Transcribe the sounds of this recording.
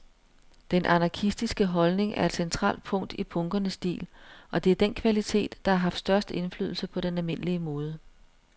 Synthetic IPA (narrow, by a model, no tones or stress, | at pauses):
d̥enʔɑnɑ̈kʰisd̥isɡ̥əɦɒ̽lne̝ŋæɐe̝d̥sent͡sʰʁɑ̰̈ːld̥̚pʰɔ̽ŋ̰d̥ipʰɔ̽ŋɡ̥ɐnəsd̥ḭːlʔɒ̽d̥e̝æɐd̥enkʰʋælit͡sʰe̝̰ːd̥ːɑ̈æɐɦɑ̈fd̥sd̥ɶɐsd̥əe̝nfly̰ːð̞ˠl̩səpʰɒ̽ɾ̥enælme̝n̰liəmɔːð̞ˠə